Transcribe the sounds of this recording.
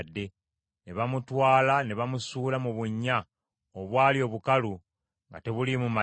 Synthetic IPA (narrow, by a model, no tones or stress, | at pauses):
dːe̞ | ne̞βamutwaːlane̞βamusuːlamuβuɲːa | oβwaːlio̞ːβukalu | ŋɡa̰te̞βulimuma